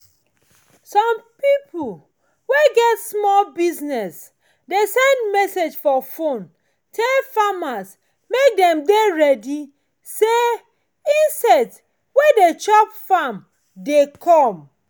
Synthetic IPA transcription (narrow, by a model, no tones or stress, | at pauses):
sɔ̃mpipu | weɡɛtsmɔlbiznɛs | desɛ̃ndmɛsed͡ʒfɔfõn | tʰɛlfamas | mek̚dɛ̃mdeɹɛdi | se | ĩnsɛt | wedet͡ʃɔpfam | dekʰɔ̃m